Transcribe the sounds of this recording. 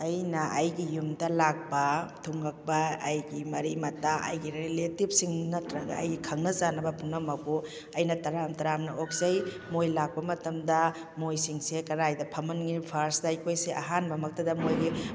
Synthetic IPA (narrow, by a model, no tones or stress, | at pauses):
ɐjnɐʔɐjɡijumdɐlak̚pɐtʰuŋɡɐk̚bɐːjɡimɐɾimɐtːaʔɐ̰jɡiɾeletib̚siŋnɐtɾɐɡɐ̰ɐ̰jɡikʰɐŋnɐzanɐbɐpunɐmɐko | ɐjnɐtɐɾamtɐɾamnɐok̚zɐj | mojlak̚pɐmɐtɐmdɐ | mojsiŋsekɐɾajdɐpʰɐmɐnɡipʰaɾsdɐjkʰojseʔɐɦanbɐmɐk̚tɐdɐmojɡi